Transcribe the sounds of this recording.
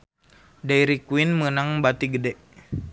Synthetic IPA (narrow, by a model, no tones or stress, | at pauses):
dajɾikwinmənaŋbat̪iɡədɛʔ